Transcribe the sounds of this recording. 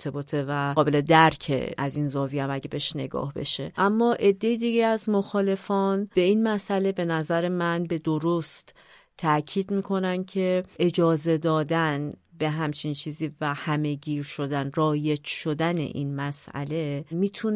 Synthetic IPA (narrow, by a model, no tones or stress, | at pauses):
t̪ʰebɒːt̪ʰevæɒːbe̞le̞d̪æɾcʰḛʔæzinzɒːviæmæɟebeʃne̞̰ɡɒ̰ːhbe̞̰ʃe̞̰ʔæmːɒːʔe̞d̪ːe̞jid̪iɟeæzmo̞xɒːle̞fɒːnb̥e̞inmæsʔæle̞be̞næzæɾe̞mænbe̞d̪o̞ɾost̪ | t̪ʰːæcʰiːd̪miːkʰo̞næncʰe̞ʔed͡ʒɒːze̞d̪ɒːd̪ænbe̞ɦæmt͡ʃʰint͡ʃʰiːziːvæhæme̞ɟiːɾʃo̞d̪ænrɒːje̞t͡ʃʃo̞d̪æne̞̰ʔḭnmæsʔæ̰le̞miːt̪ʰun